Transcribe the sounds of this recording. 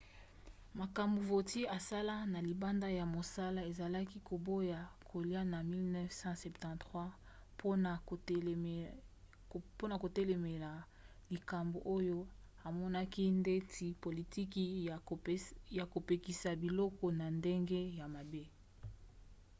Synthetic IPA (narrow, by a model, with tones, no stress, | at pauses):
ma˨ka˨mbu˨vo˨ti˦a˨sa˦la˦na˨li˨ba˦nda˦ja˨mo˨sa˦la˦e˨za˨la˦ki˦ko˨bo˦ja˨kʰo˨li˦a˦na˨mi˦lnɛ˦fsɑ̃˦sɛ˨ptɑ̃˨tχwa˦ | pʰo˦na˨ | po˦na˨ko˨tɛ˦le˨me˨la˨ | li˨ka˨mbo˨ʔo˦jo˦ | a˨mɔ˦na˦ki˦nde˦tʰi˨po˨li˨ti˦ki˨ | ja˨ko˨pe˨ki˨sa˨bi˨lɔ˦kɔ˨na˨nde˦ŋɡe˦ja˨ma˨be˦